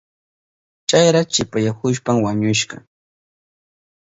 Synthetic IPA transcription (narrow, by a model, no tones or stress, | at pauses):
t͡ʃajɾat͡ʃɪpajakʊʃpamwaɲʊʃɢɑ̰